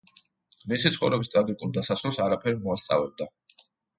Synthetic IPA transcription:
misit̪sʰχɔvɾɛbist̪ʼaɡikʼulˠd̪asasɔsaɾapʰɛɾimɔast̪sʼa̰vɛb̚d̪a

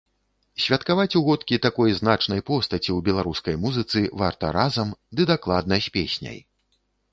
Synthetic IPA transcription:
sʲvʲɐt̪kavat͡sʲuɣɔt̪kʲit̪akɔjznat͡ʂnɐjpɔst̪ɐt͡sʲiwbʲɛlˠaɾuskɐjmuzɨt̪sɨvart̪ɐ̰ɾazɐmd̪ɨd̪aklˠad̪̚nɐsʲpʲḛsʲnʲɐ̰j

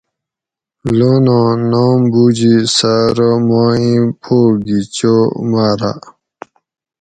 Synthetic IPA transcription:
lonãnoːmbud͡ʑisaɾomãːĩpʰoːɡit͡ɕomaːɾa̰

